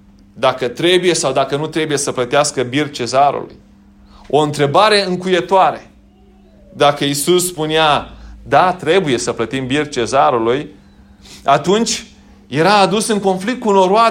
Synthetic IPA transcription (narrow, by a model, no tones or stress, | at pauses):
d̪akət̪ɾe̞buje̞sawd̪akənut̪ɾe̞buje̞səplət̪easkəbir̚t͡ʃe̞zaɾṵlṵj | o̞ɨnt̪ɾe̞baɾe̞ɨŋkuje̞t̪oaɾe | d̪akəisusːpunead̪at̪ɾe̞buje̞səplət̪imbirt͡ʃe̞zaɾuluj | at̪unt͡ʃʲ | je̞ɾaːd̪usɨŋko̞nflik̚t̪̚kuno̞ɾoa